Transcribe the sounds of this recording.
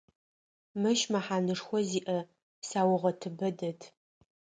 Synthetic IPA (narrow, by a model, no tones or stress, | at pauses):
mɨʃmɐħaːnɨʂxʷɔziːʔɐ | saːwʊʁɐtʰɨbɐdɐtʰ